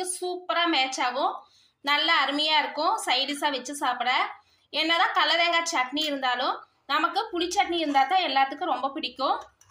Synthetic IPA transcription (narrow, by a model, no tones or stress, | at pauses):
ɯsuːpːɐɾaːmeːt͡ʃːaːʋʊ̃ | nɐlːɐːɾɯmɐjaːɪɾɯkːʊ̃sɐɪɽisaːʋɛt͡ʃːɯsaːpɽɐ̃ | ɛnːɐðãːkɐlɐɾeːŋɡaːt͡ʃɐʈniɪɾɯnd̪aːlʊ̃ | nɐmɐkːɯpʊɭɪt͡ʃːɐʈ̚niɪɾɯnd̪aːt̪ːãːɛlːaːt̪ːɯkːɯɾɔmbɐpɪɽɪkʲːʊ̃